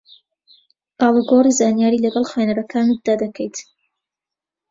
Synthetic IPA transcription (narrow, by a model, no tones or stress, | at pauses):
ʔaːlˠuɡorizaːnjaːɾilɐɡɐlˠxanɐɾɐkʰaːnud̪aːd̪ɐkʰəjt̪